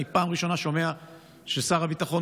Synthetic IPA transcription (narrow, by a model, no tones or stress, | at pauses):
ipaːmʁiʃo̞naʃo̞mea | ʃesaʁabit̪aχo̞